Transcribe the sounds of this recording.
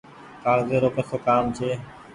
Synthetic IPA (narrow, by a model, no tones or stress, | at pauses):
kaːɾzeːɾoːkekʰokaːmt͡ʃʰeː